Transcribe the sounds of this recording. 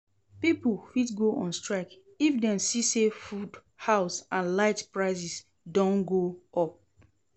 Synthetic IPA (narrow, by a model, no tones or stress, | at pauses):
pipulfitɡoʔɔ̃nstɹaɪk | ifdɛ̃msisefud | haʊsãnlaɪtpɹaɪzis | dɔ̃nɡoɔp̚